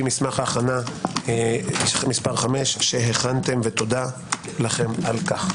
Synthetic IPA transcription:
mismaχhaːχana | mispaʁχame̞ʃʃeɦeχant̪e̞mvet̪o̞d̪a | laχe̞malkaχ

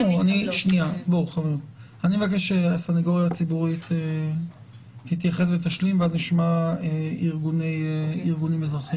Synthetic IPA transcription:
uaniʃniabauχaniut | animevakeʃʃeasanaɡo̞ʁjat͡sibuʁit̪e | hit̪jaχe̞s̬vet̪aʃlimveazniʃmaeiʁɡunejiʁɡunimezʁaχim

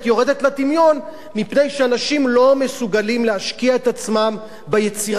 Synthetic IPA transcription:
tjo̞ʁed̪e̞t̪latimjo̞n | mipne̞jʃeanaʃimlo̞mesuɡalimleaʃkiae̞t̪at͡smam | bejet͡siʁ

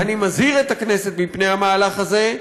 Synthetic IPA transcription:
animazhiʁet̪akne̞se̞t̪̚mipnehamaːlaχaze̞

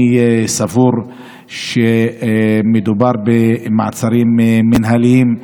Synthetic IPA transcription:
savuɾ | ʃe | med̪ubaɾˤbema̰ʕt͡saɾiːmːɪnɦalijiːm

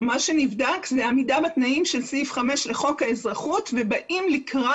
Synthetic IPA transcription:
maʃenivdakzeamidabatnaimʃe̞lsifχame̞ʃleχo̞khae̞zʁaχutvebaʔimlikʁa

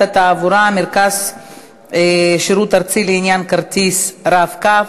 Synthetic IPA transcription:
at̪aːvuɾameɾkaz | ʃiɾut̪aɾt͡sileinjankaɾt̪isɾafka

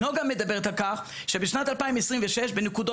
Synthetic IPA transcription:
oɡamɛdabɛʁthalkaχ | ʃebɪʃnatalpaɪimɛsʁimvɛʃɛʃbenɪkudɔ

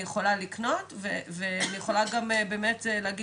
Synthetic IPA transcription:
jeχo̞lalikno̞tveveanijeχo̞laɡamebeːmetelaːɡi

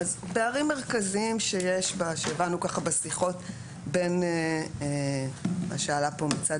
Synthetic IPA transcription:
azbeaʁimːeʁkaziimʃe̞jeʃbaʃeːvanukaχabesiχo̞t | be̞nee | a̰ʃaalapo̞mit͡sa

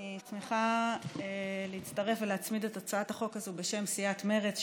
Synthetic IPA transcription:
t͡smiχa | leit͡staʁe̞fveleat͡smidetot͡saathaχo̞kazube̞ʃe̞msijatme̞ʁet͡s

